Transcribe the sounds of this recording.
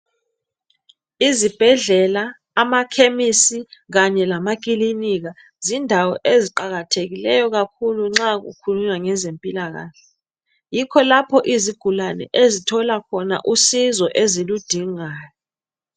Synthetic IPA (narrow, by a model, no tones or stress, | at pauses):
izib̥ʱɛɮɛlaː | makʰemisiɣ̬aɲɛlamak̬ʼiliniɣ̬a | zindʱawɔ̰ʔeziǃaɣatʰeɣilɛjɔɣakʰuluŋ͡ǁak̬ṵkʰuluɲaŋɛzempʼilaɣa̰ːɬɛ | jikʰɔlapʰɔʔiziɡ̥ʱulanɛ̰ʔezitʰɔlakʰɔna̰ʔusizɔʔezilud̥ʱiŋaːjɔ